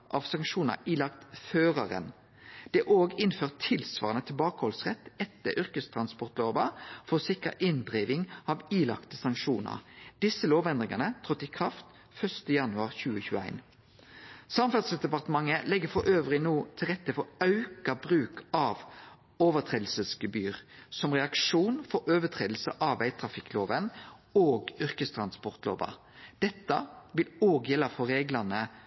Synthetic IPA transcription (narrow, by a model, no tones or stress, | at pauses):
ʔɑʋsɑŋkʃuːnɑ̰iːlɑk̚t̪føːʁɑʁə̰n | d̪̥ɛʔoːɡɪnføːʁt̪ʰɪlsʋɑ̰ːʁənət̪ʰɪlbɑːkəhɔlsʁɛt̪ːɛt̪ːəʔʏʁkəst̪ʰʁɑnspɔʁt̪loːʋɑfɔsɪkə̰ʔɪnd̪ʁiːʋɪŋɑʋiːlɑ̰kt̪əsɑŋkʃuːnə̰ʁd̪̥ɪsəloːʋɛnd̪ʁɪŋɑnət̪ʰʁɔt̪ːɪkʰʁɑft̪ | fœʂt̪əjɑnʉɑʁçʉːəçʉːæ̰ɪn | sɑmfɑd̪sd̪ɛpɑʁt̪əmɑŋːəlɛɡːəfɔɾʔøːʋʁɪnoːt̪ʰɪlʁɛt̪ːəfɔɾɑʉkɑbʁʉːkʰɑːʋ | oːʋət̪ʰʁeːd̪l̩səsɡəbyːʁsɔmʁɛɑkʂuːnfɔɾʔøːʋət̪ʰʁeːd̪l̩sə̰ʔɑːʋæɪt̪ʰʁɑfɪkːloːʋənoːɡʏʁkəst̪ʰʁɑnspɔʁt̪lo̰ːʋɑ̰ | d̪̥ɛt̪ːəʋɪloːɡjɛlːəfɔɾeːɡlɑnə